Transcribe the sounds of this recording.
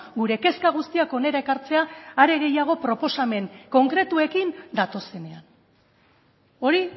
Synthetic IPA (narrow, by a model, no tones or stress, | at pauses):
ɡuɾe̞ke̞skaɣ̞ust̪iako̞ne̞ɾaekaɾt͡se̞aːɾe̞ɣe̞jaɣ̞o̞pɾo̞po̞same̞ŋko̞ŋkɾe̞t̪ue̞kind̪at̪o̞se̞ne̞an | o̞ɾi